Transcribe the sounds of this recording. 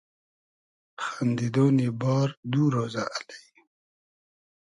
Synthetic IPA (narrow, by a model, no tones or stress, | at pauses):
xand̪id̪oːnibɑːɾd̪uɾozaʔalai